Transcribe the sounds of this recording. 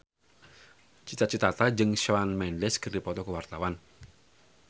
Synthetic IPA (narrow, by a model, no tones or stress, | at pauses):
t͡ʃit̪at͡ʃit̪at̪ad͡ʒɨŋʃanmɛnlɛsɡ̥ərdipɔt̪ɔkəwart̪awan